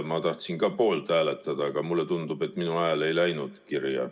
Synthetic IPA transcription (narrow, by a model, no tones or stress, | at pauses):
mɑːt̪ɑht̪siŋkɑːpoːlt̪æːlet̪ːˑɑd̪̥ɑkɑmulːet̪und̪ube̞t̪ːˑminuæːle̞jlæjnud̪̥kirjɑ̰